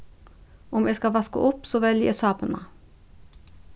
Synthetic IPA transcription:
ɔmjɛskɑʋɑskə̰ʔʊpsoːʋɛljəɛ̰sɑːpənmɑ̰

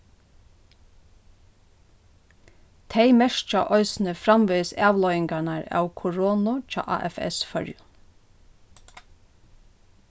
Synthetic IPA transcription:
t̪ʰeɪmɛʃt͡ʃɑ̰ʔɔʏsn̩əfɾɑmʋiːsæːʋlɔʏɪŋkanaɹɑ̰ːwkʰʊɹoːnʊt͡ʃɑ̰ːʔɑ̰ːʔɛ̰fɛ̰sfœ̰ɹjʊ

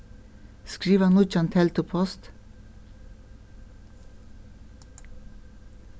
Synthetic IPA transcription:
skɹiːʋənʊt͡ʃɑnt̪ʰɛlt̪ʊpʰɔst̪

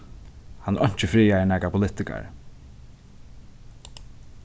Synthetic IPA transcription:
hanʔɔɲ̥t͡ʃɪfɾiːaɛnɛːkapʰʊlɪt̪ɪka̰ɹ

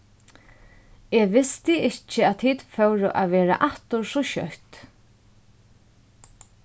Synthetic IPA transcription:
ɛʋɪst̪ɪɪht͡ʃɪæt̪ʰiːt̪fœwɾʊ̰ʔaʋɛːɾa̰ʔaht̪ʊɹsɔʃœ̰ht̪

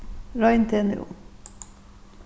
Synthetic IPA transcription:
ɾɑɪnt̪ʰeːnɪ̰ṵ

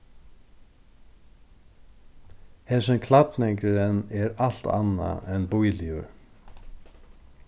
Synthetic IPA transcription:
hɛsɛmkʰlat̪nɛŋkɾɪɾɛnɛɾal̥t̪a̰nːa̰ɛnbujlɪʊɾ

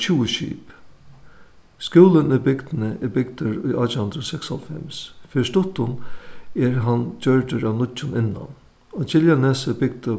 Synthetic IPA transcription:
t͡ʃʰuːəʃḭːp | skjuːlənʊjbɪɡd̪ɪnəʔɛbɪɡd̪əɾʊjʔɑːt͡ɕhʊnd̪ɾəsɛkshɔ̰lfɛ̰msfɪʂt̪ʊt̪ːʊnɛɹɦant͡ɕœɹdəɾaʋnʊt͡ʃːʊnɪnːa̰n | ɔt͡ɕʰɪljanɛːsəbɪɡ̚d̪ə

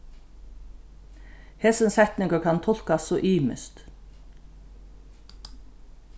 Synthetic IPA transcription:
hɛsənshɛt̪nɪŋɡəkʰɑnt̪ʰɔl̥kassoːʔiːmə̰st̪

